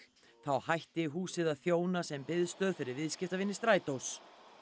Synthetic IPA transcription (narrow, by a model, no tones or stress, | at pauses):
θawhajht̪ɪɦuːsɪðaðθjoːwnasɛmpɪðst̪œːðfɪɾɪɾvɪðscɪft̪avɪnːɪst̪ɾaːjt̪ows